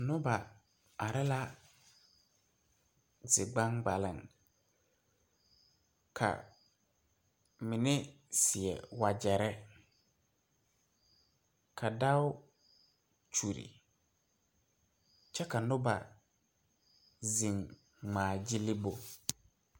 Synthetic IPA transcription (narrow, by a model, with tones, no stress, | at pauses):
nʊ˦ba˨ | a˨ɾɛ˦la˦ | zɪ˨ɡ͡ba˦ŋɡ͡ba˨lɪ˨ŋ | kʰa̰˨ | mɪ˨nɪ˦ | sɪ˨ɛ̰˨wa˨d͡ʒɛ˨ɾɛ˦ | kʰa˨da˦ʊ˦ | t͡ʃu˨ɾḭ˨ | t͡ʃɛ˦ka˨nʊ˦ba̰˨ | zi˨ŋ | ŋ͡maː˨d͡ʒɪ˦lɪ˦bo˨